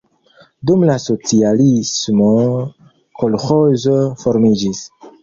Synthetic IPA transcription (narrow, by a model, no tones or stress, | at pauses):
dumlaso̞t͡sialismo̞ | kʰolxozofo̞ɾmid͡ʒis